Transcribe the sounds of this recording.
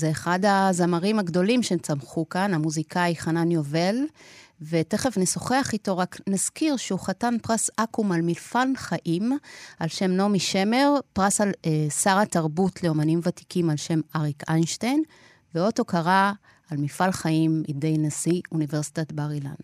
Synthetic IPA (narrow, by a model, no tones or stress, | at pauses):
zeːχadazamaʁimhaɡdo̞limʃemt͡samχukanamuzikaiχananjo̞ve̞lve̞te̞χe̞fneso̞χeaχito̞ʁaknaz̥kiʁʃeuχatanpʁasakumalmilfalχaʔimalʃe̞mno̞miʃe̞me̞ʁpʁasalesaʁataʁbutle̞o̞manimvati̥kimalʃe̞maʁikajnʃtajn | veo̞to̞kaʁa | almilfalχaimḭdejnasiunive̞ʁsi̥tatbaʁila̰n